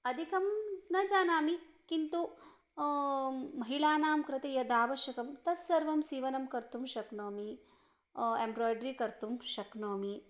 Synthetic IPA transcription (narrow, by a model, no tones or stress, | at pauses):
ɐd̪ʱikɐmnɐd͡ʒaːnaːmi | kint̪u | mɐɦilaːnaːmkɾɐt̪ejɐd̪aːʋɐʃɐkɐmt̪ɐsːɐɾʋɐmsiːʋɐnɐmkɐɾt̪umʃɐknoːmi | embɾoːjɖɾikɐɾt̪umʃɐknoːmi